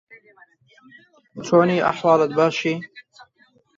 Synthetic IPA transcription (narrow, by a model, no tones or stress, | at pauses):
t͡ʃʰoːniːʔa̰ħwɑːlət̪̚baːʃiː